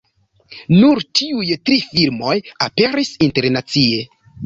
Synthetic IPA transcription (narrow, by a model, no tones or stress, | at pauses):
nuɾtiujtɾifiɾmo̞jape̞ɾisinte̞ɾnat͡sie̞